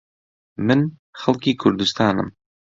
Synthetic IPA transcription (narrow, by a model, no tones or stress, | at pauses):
mɪnχɑlˠkikʰʊɾd̪ɪst̪ʰɑːnə̰m